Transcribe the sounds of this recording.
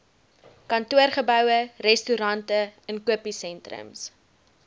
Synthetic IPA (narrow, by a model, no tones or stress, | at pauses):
kɐntuərχəbœwərɛstuɾɐntəənkuəpisɛntrə̰ms